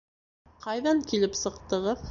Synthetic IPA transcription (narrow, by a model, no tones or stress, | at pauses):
qɑjðɑŋkilɘpsɤ̆q̚t̪ɤ̆ʁɤð